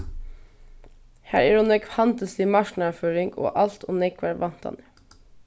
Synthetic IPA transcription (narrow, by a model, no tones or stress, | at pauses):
hæ̰ːɾæːɾʊnɛɡfɑnt̪ɑsiːmɑʃnɑføːɾɪŋɡo̰ːʔɑlt̪ʰʊnɛkʰʋæɾʋɑnt̪ʰɑ̰nə